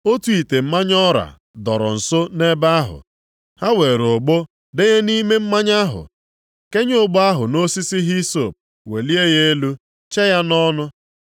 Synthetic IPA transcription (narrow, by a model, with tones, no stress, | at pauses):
o˦tu˦i˨te˨m̩˦ma˦ɲɔ˦ɾa̰˨ | dɔ˨ɾɔ̰˨n̩˨so˦ne˦ba˦a˦ɦʊ̰˨ | ha˦we˨ɾo˨ɡ͡bo˦ | de˦ɣe˦ni˦me˦m̩˦ma˦ɲa˦ɦʊ̰˨ | ke˦ɲ˦ʊ˦ɡ͡bɔ˦a˦ɦʊ˨no˦si˦si˦ɦi˦so˦˨p̚ | we˨li˦e˦je˦e˦lu˦ | t͡ʃe˦ja˦nɔ˦nʊ˦